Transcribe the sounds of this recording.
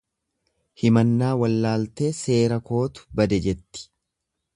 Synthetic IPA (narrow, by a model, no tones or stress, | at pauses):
hɪmɐnːaːwɐlːaːlt̪e̞ːse̞ːɾɐko̞ːt̪ʊ̥bɐd̪ɛd͡ʒɛt̪ːɪ̥